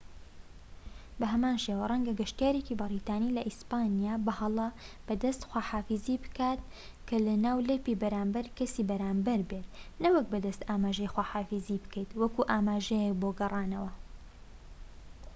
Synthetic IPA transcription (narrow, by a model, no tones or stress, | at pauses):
bɐɦɐmaːnʃewɐrˤɐŋɡɐɡɐʃt̪ijaːɾekibɨɾit̪aːnilɐʔispaːnijaːbɐhɐlˠɐb̥ɐd̪ɐst̪xwaːħaːfiziːbɨkaːt̪̚ | kʰɐlɐnaːwleːpibɐɾaːmbɐɾkɐsibɐɾaːmbɐɾbeːt̪̚nɐwɐk̚bɐd̪ɐst̪aːmaːʒɐjxwaːħaːfizibɨ̥kɐjt̪wɐkuʔaːmaːʒɛjɛk̚boːɡɐrˤaːnɐwɐ